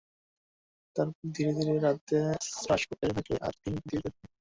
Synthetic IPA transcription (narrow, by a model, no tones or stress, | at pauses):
t̪aɾd̪ʱiɾed̪ʱiɾeɾad̪esɾaʃokeɾt̪ʰakḛʔa̰ɾt̪iniud̪ied̪eb̚e